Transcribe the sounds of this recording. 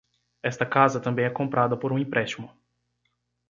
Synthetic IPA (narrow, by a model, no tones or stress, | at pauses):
ɛst̪ɐkazɐt̪ɐ̃mbẽj̃ɛkõmpɾʔad̪ɐpoɾũĩpɾɛst͡ʃimʊ